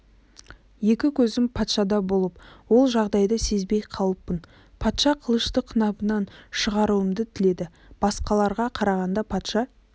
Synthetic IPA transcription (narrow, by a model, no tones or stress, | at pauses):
je̞kʲɪkʲʰɵzɪmpʰɑt̪ʃɑd̪ɑbo̞lˠəpwo̞lˠʒɑʁd̪ɑjd̪əse̞zbe̞jqʰɑlˠəpːən | pʰɑt̪ʃɑqʰəlˠəʃt̪əqʰːənɑbənɑnʃəʁɑɾuəmd̪ət̪ʰɪle̞d̪ɪ | b̥ɑsqɑlˠɑɾʁɑqʰɑɾɑʁɑnd̪ɑpʰɑt̪ʃɑ